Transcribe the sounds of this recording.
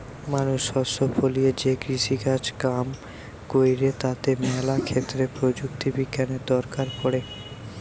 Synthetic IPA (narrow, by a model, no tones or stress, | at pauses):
manuʃɔsofolied͡ʑeɡɾiʃiɡat͡ɕkam | kojɾet̪at̪emɛlakʰet̪ːɾepɾod͡ʑuk̚t̪ibiɡjaned̪ɔɾkaɾpɔɽe